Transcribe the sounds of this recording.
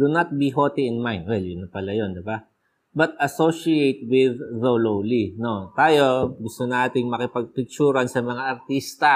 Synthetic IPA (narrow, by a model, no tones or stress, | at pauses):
d̪unɐt̪̚biɦot̪iɪnmajnd̪wɛljʊnɐpɐlajo̞nd̪ɪba | bɐt̪̚ɐsoʃiejt̪̚wɪðːolowlinot̪aːjo̞ɡʊst̪onaːt̪ɪŋmɐkɪpɐɡ̚t̪ʊɡ̚t͡ʃuːɾɐnsɐmɐŋaʔɐɾt̪ist̪ɐ